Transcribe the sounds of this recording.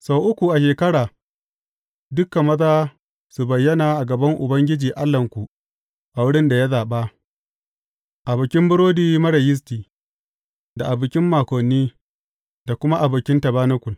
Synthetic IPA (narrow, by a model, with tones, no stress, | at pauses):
sa˨wʔʊ˦kʷu˨ʔa˨ʃ̬eː˨kɐ˦ɽaː˨ | dʊ˦kːa˨mɐ˦zaː˦ | su˨bɐ˨jːɐ˦naː˨ʔa˨ɡɐ˨bɐ˦ŋʔʊ˨bɐ˦ŋɡʲɪ˦d͡ʒiː˨ʔa˦lːɐ˨ŋkʷu˨ʔ | ʔa˨wʊ˦ɽɪ˦nda˨ja˦zaː˨ɓa˦ | ʔa˨bʊ˨kʲɪ˦mbʊ˦ɾoː˦diː˦mɐ˦ɽɐ˨jɪ˦s̬tiː˨ | da˨ʔa˨bʊ˨kʲɪ˦mːaː˨kʷɔ˨nːiː˦ | da˨kʷʊ˦ma˦ʔa˨bʊ˨kʲɪ˦ntɐ˨baː˦nʊ˦kʷʊ˨l